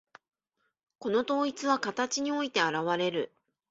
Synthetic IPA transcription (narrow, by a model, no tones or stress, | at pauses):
ko̞no̞t̪o̞ːit͡sɨβakat̪at͡ɕiɲ̟io̞it̪e̞aɾaβaɾe̞ɾɯ̟